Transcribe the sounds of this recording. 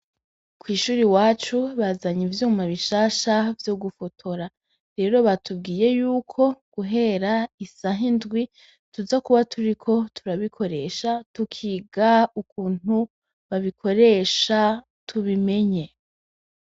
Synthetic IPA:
kwiːʃuːɾiwaːt͡ʃuβazaɲivjuːmaβiʃaːʃavjoɡufo̞tʰoɾa | ɾe̞ːɾo̞βatʰub̚ɡiːje̞juːkʰo̞ɡ̥uɦe̞ɾaisaɦindɡwi | tuzakuβatʰuɾikʰo̞tʰuɾaβikʰo̞ɾe̞ʃatukʰiːɡaukuːn̥u | βaβikʰo̞ɾe̞ʃa | tʰuβime̞ɲe̞

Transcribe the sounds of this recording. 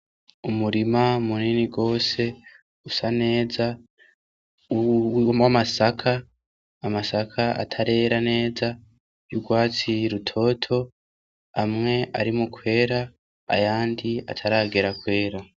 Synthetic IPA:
umuɾimamuniniɡo̞ːse̞ | usane̞ːza | wwamasakʰaː | masakʰaʔa̰tʰaɾe̞ːɾane̞ːza | juɡwaːt͡siɾutʰo̞ːtʰo̞ | amŋe̞ʔaɾimukwe̞ːɾa | a̰jaːndia̰tʰaɾaɡe̞ɾakwe̞ːɾa

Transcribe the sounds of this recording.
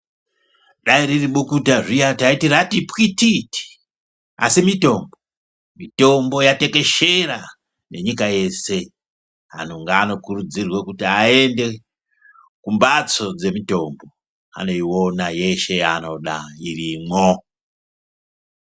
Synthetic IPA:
ɗaiɾiriɓukutaʐijataitiratipwititi̥ | a̰simito̞mbo | mito̞mbo̞jate̞ke̞ʃe̞ɾa | ne̞ɲikaje̞se̞ | a̰noŋɡaːno̞kurud͡zirwekutiae̞nde̞ | kumbat͡so̞d͡ze̞mito̞mbo̞ | a̰no̞iwonaje̞ʃe̞ano̞ɗairimwo

